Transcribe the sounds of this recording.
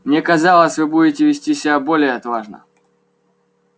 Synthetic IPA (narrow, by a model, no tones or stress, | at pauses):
mnʲɛkɐzalˠəsʲvɨbudʲɪtʲɪvʲɪsʲtʲisʲɪbʲabolʲɪjɐt̪vaʐnə̰